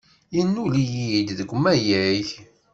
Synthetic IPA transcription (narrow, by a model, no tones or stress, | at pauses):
jinːulijid̪ðəɡʷːmːæjæç